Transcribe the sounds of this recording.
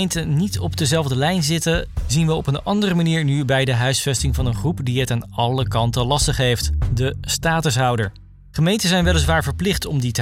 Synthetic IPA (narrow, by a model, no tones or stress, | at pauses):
jntənitɔb̚dəzɛlˠvdəlɛjnzɪtəzinʋəɔpənɑndərəmaniːɹnybɛjdəɦœɥsfɛstɪŋvɑnənχrupdiɛtaːnɑləkɑntəlɑstəχɦejftdəstaːtəsɦɑwdəɹ | χəmejntəzɛjnʋɛlˠəs̬ʋaːɹvəɹplɪχtɔmditə